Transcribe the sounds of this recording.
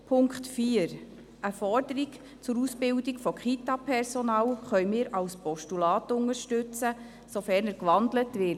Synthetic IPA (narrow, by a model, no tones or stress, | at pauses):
pʰʊŋkχtfiːəɾ | əfɔrdəɾik | t͡sʊɾusbɪwdikfɔkχitɑpʰɛɾsɔnɑːlχœjmɪːɾɑwspɔʃtulɑːtʊŋəɾʃtʉt͡sə | sofɛɾnəɾkʋɑndlətʋɪ